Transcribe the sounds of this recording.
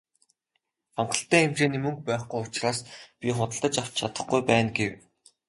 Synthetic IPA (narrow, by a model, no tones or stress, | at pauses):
amɢə̆ɬt̪æːemt͡ɕeːniːmɵŋk̚pæːχɡujʊt͡ɕraːspʲiχʊt̪ə̆ɮt̪ə̆t͡ɕaw̥t͡ɕt͡ɕʰat̪ə̆χɡujpæːnɡew